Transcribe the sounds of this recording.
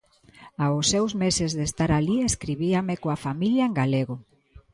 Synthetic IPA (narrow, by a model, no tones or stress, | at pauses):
aʊsːɛwzmesezðest̪aɾalieskɾiβiamekoafamiljaeŋɡaleɣo